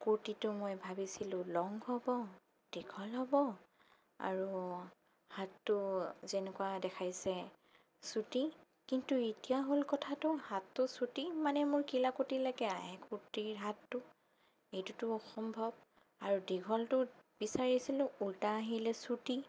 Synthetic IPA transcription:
koɹtitʊmojbʱabisilʊ̃lɔŋɡɦɔbɔ | d̥iɡʱɔlɦɔbɔ | a̰ɹu | hatːʊzenɛkuwadɛkʰajsɛ | suti | kintuetijaɦolkɔtʰatʊhatːʊsutimanɛmʊɹkilakotilaɡɛaɦɛkuɹtiɹɦatːʊ | ejtutʊɔxɔmbʱɔb̚ | aɹudiɡʱɔltʊbisaɹisilʊ̃ultaːɦilɛsuti

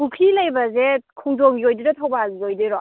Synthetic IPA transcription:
bukʰilɐjbɐzekʰuŋdoŋiojdidatʰawbazijojdiɾɔ

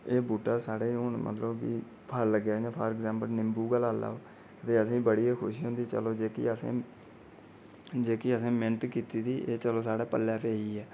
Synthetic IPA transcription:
eːbuːʈaːsaːɽeːʊnmʔə̰t̪ləbkḭ | pʰəlɡɛːd͡ʒãːpʰəɾɛkzɛ̃ːmpəlnɪmbuːɡəlaːla̰ːoː | ət̪eːəsĩːbəɽiːɛːkʰʊʃiːɦõːnd̪iːt͡ʃə̰loːd͡ʒeːkḭəsḛ̃ː | d͡ʒeːkiːəsẽːmɪnt̪kiːt̪iːd̪iːʔeːt͡ʃəloːsaːɽaːpəlːɛːpeːiːɛː

